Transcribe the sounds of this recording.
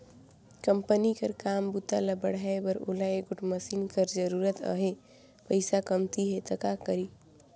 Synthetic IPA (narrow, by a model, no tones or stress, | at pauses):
kəmpənikəɾkaːmbut̪aləbəɽaebəɾo̰laeɡʊʈməsinkəɾd͡ʒəɾuːɾət̪ə̰ɦe | pəɪsakəmt̪iɦet̪əkakəɾi